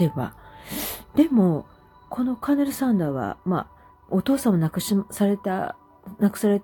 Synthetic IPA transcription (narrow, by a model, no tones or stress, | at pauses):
eba̰ | d̪̥e̞mo̞ | kʰo̞no̞kaneɾɯ̟sãnd̪aːβa̰ma̰ | ot̪o̞ːsãmːonakɯɕsaɾet̪a | nakɯ̟̥saɾe̞t̪